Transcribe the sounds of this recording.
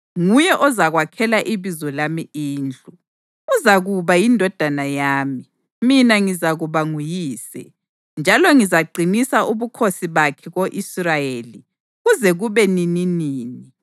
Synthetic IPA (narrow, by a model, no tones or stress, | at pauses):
ŋujɛʔɔzaɣwakʰɛlaʔiβizɔlamiiːnd͡ɮʱʼu | uzaɣuβajindʱɔd̥ʱanajaːmi | minaŋizaɣuβaŋujiːsɛ̰ | nd͡ʒʱalɔŋizaɡ͡ǀʱinisaʔuβukʰosiβakʰɛɣoʔisrajeːli | ɣuzɛɣuβɛnininiːni